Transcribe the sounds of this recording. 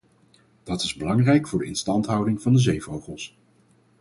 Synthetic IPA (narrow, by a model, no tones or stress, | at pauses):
d̥ɑtɪzbəlɑŋrɛjkfʊːɹdəɪnstɑntɦʌwdɪŋvɑndəzejvowχəlˠs